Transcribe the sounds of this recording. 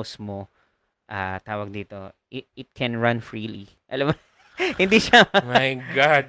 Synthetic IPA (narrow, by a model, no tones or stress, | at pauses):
smo | ʔat̪aːwɐɡ̚d̪iːt̪o̞̰ | ɪɪt̪̚kʰɛnɹɐ̃nfɹiːli | ʔɐlɐm | hɪnd̪iʃamajɡad̪̚